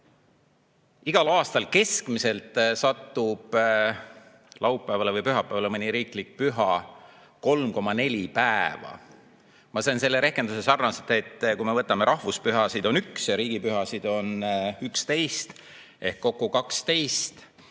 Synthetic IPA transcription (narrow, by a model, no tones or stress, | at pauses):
iɡ̥ɑlɑːst̪ɑlke̞skmise̞lt̪ˑsɑt̪ːub̥ | lɑwpːˑæːvɑle̞vɯjpyɦɑpːˑæːvɑlemɤnʲiɾiːklik̚pyɦɑ | ko̞lmko̞mɑne̞lʲipæevɑ̰ | mɑseːnse̞lːeɾe̞hke̞nd̪use̞sɑrnɑst̪ːet̪ːˑkujmevɤt̪ːˑɑme̞ɾʔɑhvuspyɦɑsid̪̥o̞nyksjɑɾiːɡ̥ipyɦɑsid̪̥o̞nykst̪e̞jst̪ | e̞hkːo̞kːˑukɑkst̪e̞jst̪